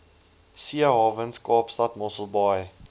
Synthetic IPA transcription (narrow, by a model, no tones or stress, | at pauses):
siəɦɑːvənskɑːpstɐtmɔsəlˠbɑj